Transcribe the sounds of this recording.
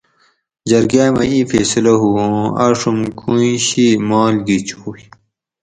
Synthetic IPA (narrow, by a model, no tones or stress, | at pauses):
d͡ʑɐɾɡaːmɐ̰iːfḛsilɐɦuõɐʂumkʰuiɕimaːlɡit͡ɕʰuːj